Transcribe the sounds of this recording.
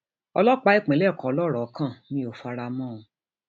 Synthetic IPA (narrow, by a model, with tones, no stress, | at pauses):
ɔ˧lɔ˦k͡pa˧˦i˦˨k͡pẽ˨˦lɛ˦˨kɔ˨ɔ˧lɔ˦˨ɾɔ˨˦kã˦˨nĩ˦o˧fa˧ɾa˧mɔ̃˦˨˧